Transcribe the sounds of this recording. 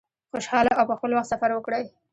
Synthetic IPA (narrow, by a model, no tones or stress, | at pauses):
xoʃhɑlaʔawpəxpəlwaxt̪safaɾwəkɽaj